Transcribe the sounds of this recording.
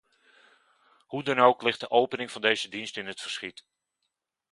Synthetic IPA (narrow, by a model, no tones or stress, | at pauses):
hudɑnowklɪχt̚dəʔowpənɪŋv̥ɑndejzədinstɪnɦətfəɹsχit